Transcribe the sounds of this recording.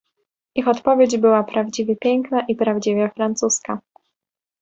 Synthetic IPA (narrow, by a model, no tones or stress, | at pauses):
ixɔt̪pɔvʲjed͡ʑbɘwapɾavd͡ʑivʲjɛpʲjɛŋknaʔipɾavd͡ʑivʲjɛfɾant̪suska